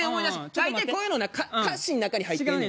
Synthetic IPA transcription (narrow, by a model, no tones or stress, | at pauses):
eomo̞id̪assit̪aikoːjɯnonakakaɕĩnːnakaɲ̟ihait̪ːe